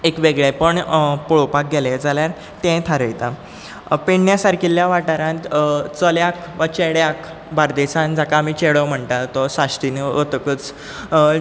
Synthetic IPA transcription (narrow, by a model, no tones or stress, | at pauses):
ekʋeɡɭepəɳpuɭopak̚ɡeled͡zaljaɾ | t̪ɛ̃t̪ʰaɾəjt̪a | piɳnjasaɾkʰiljaʋaʈaɾãt̪t͡səljak | ʋat͡ɕeɽjak | baɾd̪esãnd͡zakaːmit͡ɕeɽəm̤əɳt̪at̪ɔsast̪inəot̪əkət͡s